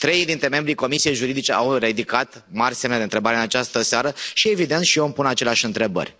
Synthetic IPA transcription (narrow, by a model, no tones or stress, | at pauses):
t̪ɾe̞jd̪int̪ɾe̞me̞mbɾiko̞misije̞jʒuɾid̪it͡ʃe̞ʔawrid̪ikat̪ | marʲsemned̪eɨnt̪ɾe̞baɾeɨnat͡ʃast̪əseaɾəʃie̞vid̪e̞nt̪ʃiompunat͡ʃe̞leaʃʲɨnt̪ɾe̞bə̰rʲ